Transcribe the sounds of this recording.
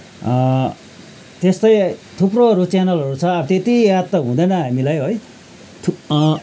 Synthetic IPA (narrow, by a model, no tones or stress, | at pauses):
t̪est̪ʌjt̪ʰuproɦʌɾut͡sanʌlɦʌɾut͡sʰʌːbʌt̪et̪ijad̪̚t̪ːʌɦũd̪ʌjnʌɦamilajɦoj | t̪ʰu